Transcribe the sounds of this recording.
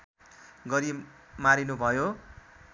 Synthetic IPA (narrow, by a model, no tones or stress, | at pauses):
ɡʌɾimaɾinubʱʌjo